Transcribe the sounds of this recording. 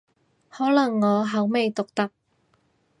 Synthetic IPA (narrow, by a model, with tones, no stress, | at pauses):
hɔː˨˥lɐ˨˩ŋːɔː˨˧ɦɐ˨˥wme˨˧jt̪ʊ˨k̚t̪ɐ˥˧k̚